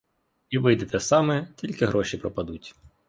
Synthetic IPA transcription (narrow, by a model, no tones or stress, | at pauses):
iʋɪjd̪et̪ɛsɑmɛtʲilʲkɪɦɾʔɔʃipɾɔpɐd̪utʲ